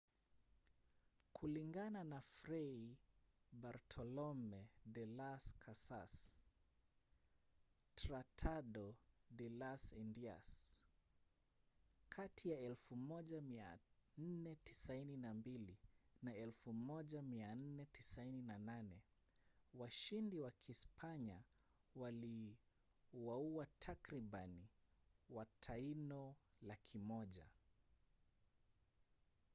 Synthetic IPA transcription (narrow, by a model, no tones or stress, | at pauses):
kʰuliŋɡananafɾɛi | baɾtʰɔlɔmɛdɛlaskʰasas | tɾatʰaɗɔdɛlasindia̰s | kʰatʰijaɛlfumɔʄamia̰n̩nɛti̥saininambilinaɛlfumɔʄamian̩nɛtisaininananɛ | waʃindiwakʰispʰaɲa | wali | wauatʰakɾiɓaniwatʰainɔlakʰimɔʄa̰